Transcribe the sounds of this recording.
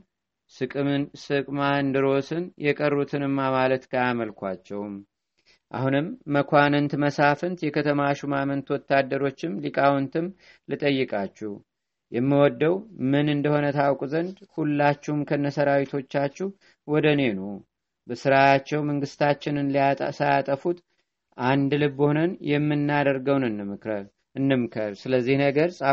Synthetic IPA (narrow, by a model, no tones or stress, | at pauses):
sɨkʼsɨkʼmand̪ɨɾo̞sɨnjɛkʼərːut̪ʰɨnɨmːamalət̪kʰajaməlkʰʷat͡ʃːɛwm | ʔa̰hunɨmːəkʰʷanɨnt̪məsafɨnt̪jɛkʰət̪ʰəmaʃumamənt̪wɔt̪ːad̪ːəɾo̞t͡ʃːɪmlikʼawɔnt̪ʰɨm | lɨt̪ʼəjːɨkʼat͡ʃːɛh | jɛmːiwɔd̪ːəwmɨnɨnd̪əho̞nət̪ʰawkʼuzənd̪hulːat͡ʃːɛhmkʰənːəsəɾawit̪ʰo̞t͡ʃːat͡ʃːɛh | wɔd̪əne̞no | bəsɨɾajat͡ʃːɛwməŋɡɨst̪ʰat͡ʃːɪnɨnlsajat̪ʼəfut̪ | ʔand̪lɨbːhonənjɛmːɨnːad̪əɾɡəwnɨnːɨmɨkɾə | ɨnːɨmkʰəɾsɨləzːihnəɡəɾsʼa